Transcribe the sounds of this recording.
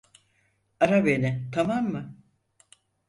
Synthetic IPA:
aɾabenɪt̪ʰamamːɯ

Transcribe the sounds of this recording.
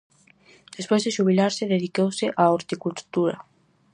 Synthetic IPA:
d̪̥espojzðeʃuβ̞ilaɾsɪðeðikowsɪʔaoɾt̪ikult̪uɾa̰

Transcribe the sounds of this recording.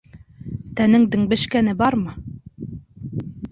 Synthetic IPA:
t̪ænɘŋd̪ɘ̆ŋbɘ̆ʃkænɘbɑɾmɤ

